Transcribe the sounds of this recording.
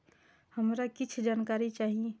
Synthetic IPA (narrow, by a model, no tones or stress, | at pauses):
həmɾakɪt͡ʃʰd͡ʒaːnkaːɾit͡ʃaːɦie